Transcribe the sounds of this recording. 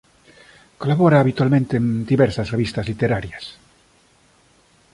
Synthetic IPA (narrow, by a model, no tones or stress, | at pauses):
kolaβoɾaːβit̪walmẽnt̪eːnd̪iβeɾsasreβist̪azlit̪eɾaɾjas